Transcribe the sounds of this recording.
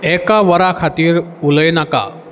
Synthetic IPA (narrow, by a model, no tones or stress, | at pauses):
ɛkaʋəɾakʰat̪iːɾuləjnaka̰